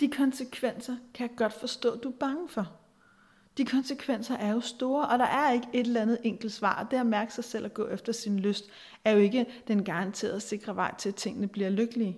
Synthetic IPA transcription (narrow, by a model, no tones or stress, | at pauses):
d̥ikʰɒ̽nsəkʰʋen̰sɐkʰæjɑ̈ɡ̥ɒ̽d̥fɒ̽sd̥ɔ̰̽ːd̥uæb̥ɑ̈ŋəfɒ̽ | d̥ikʰɒ̽nsəkʰʋen̰sɐʔæɐjo̝sd̥o̝ːɐʔɒ̽d̥ɑ̈ʔæɐe̝ɡ̥əʔe̝d̥llænð̞̩ˠeŋ̰ɡ̥l̩d̥sʋɑ̰̈ːd̥e̝æɐmæɐɡ̥ə̥sɑ̈ɪsel̰æɡ̥ɔ̰̽ːefd̥ɐsinløsd̥ | æɐjo̝e̝ɡ̥əd̥enɡ̥ɑ̈ʁɑ̈nt͡sʰe̝̰ːɐðˠæse̝ɡ̥ʁɐʋɑ̈ɪ̰t͡sʰe̝læt͡sʰe̝ŋ̰ənəb̥liɐløɡ̥əliː